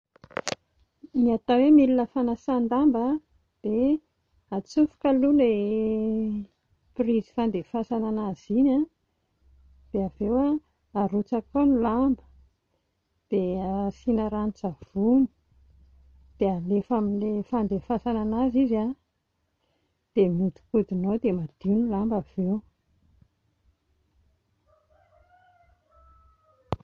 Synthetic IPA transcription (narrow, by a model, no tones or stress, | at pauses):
niat̪awemilinəfanasand̪amba | d̪̥e | at͡sufu̥kalule | prizi̥fand̪efasananaz̥ina | d̪̥eavewa | aɾut͡sakonulambə̥ | d̪̥esinaɾant͡sav̥uni̥ | d̪̥ealefaminlefand̪efasananaziza | d̪̥emid̪i̥kud̪inod̪emad̪̥inulambav̥ew